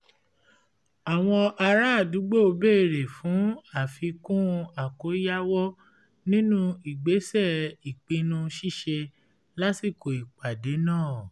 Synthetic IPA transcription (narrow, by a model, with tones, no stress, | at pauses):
a˨w̃ɔ̃˧ʔa˧ɾa˦˨du˨˦ɡ͡bo˦o˧be˦˨ɾe˨fũ˨˦a˦˨fi˧kũ˦˧a˨ko˨˦ja˦wɔ˦ | nĩ˦nũ˦i˨ɡ͡be˨˦sɛ˦˨i˨k͡pĩ˧nũ˧ʃi˦˨ʃe˧ | la˦si˦˨ko˨i˨k͡pa˨de˨˦nãː˦˨